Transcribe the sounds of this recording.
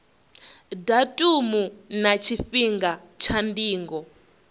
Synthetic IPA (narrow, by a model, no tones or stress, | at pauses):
datʼumunat͡ʃʰifiŋɡa | t͡ʃʰandiːŋɡɔ